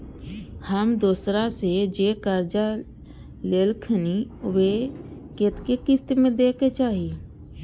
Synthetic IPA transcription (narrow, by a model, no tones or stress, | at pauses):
həmd̪ʊːsɾased͡ʒeːkəɾd͡ʒa | lelkʰəniʋeket̪kekɪst̪mẽd̪eːket͡ʃaːɦi